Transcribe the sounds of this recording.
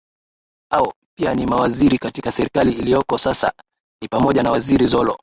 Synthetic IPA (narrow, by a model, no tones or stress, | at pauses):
aɔ | pianimawaziɾikatikasɛɾikaliːlijɔkɔsasa̰ | nipamɔʄanawaziɾizɔlɔ